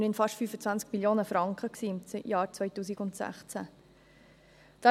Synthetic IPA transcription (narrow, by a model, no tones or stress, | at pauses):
nɪnfɑʃtfyːfət͡svænt͡skmiljoːnəfɾɑŋkχəksiːɪmjɑːɾt͡sʋœʏtuːsiɡʊnt̪sæ̰χt͡sæ | d̪̥a